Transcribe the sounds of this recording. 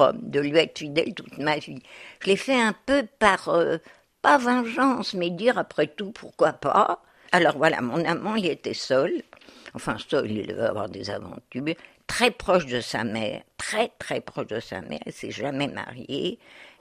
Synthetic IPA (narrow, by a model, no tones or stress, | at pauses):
md̪əlɥiɛt̪χə̥fid̪ɛ̰lt̪u̥t̪maviʒ̥əlefɛɛ̃pøpaʁø | pavɑ̃ʒɑ̃smɛd̪iʁapχɛt̪upʰuʁkwapa̰ | alɔʁvwala̰mɔ̃namɑ̃ilet̪ɛsœlɑ̃fɛ̃sœlḭlvø̰a̰vwaʁd̪eza̰vɑ̰̃t̪yːʁt̪χɛpχɔʃd̪əsamɛ̰ːʁt̪χɛt̪χɛpχɔʃd̪əsa̰mɛ̰ʁḭsɛʒamɛma̰ʁjḛ